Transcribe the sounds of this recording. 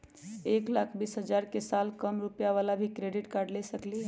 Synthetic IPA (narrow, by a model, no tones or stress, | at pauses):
eklakʰbisɦəd͡ʒaɾkesalkəmɾupjaʋalabʱikɾeɖiʈkaɾɖlesəkli